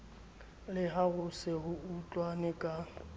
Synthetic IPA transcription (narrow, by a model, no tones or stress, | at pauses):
lɪɦaɣʊsɪɦʊut͡ɬʼwanɪkʼa